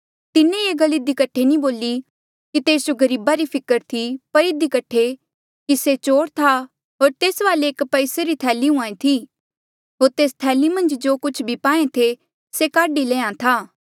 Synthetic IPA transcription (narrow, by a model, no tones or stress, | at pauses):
t̪ɪnẽeːɡɐlɪd̪ikɐʈʰenĩboːli | kit̪eːsd͡ʒoɡɐɾiːbaɾipʰɪkəɾt̪ʰipɐɾɪd̪ikɐʈʰːe | kiset͡ʃoːɽt̪ʰa | ɦoːɾt̪eːsʋaːleːkpɐɪseɾit̪ʰɛːliɦʊ̃ãːẽt̪ʰi | ɦoːɾt̪eːst̪ʰɛːlimɐ̃nd͡ʒd͡ʒoːkʊt͡ʃʰbʱipãːẽt̪ʰe | sekaːɖileːãt̪ʰaː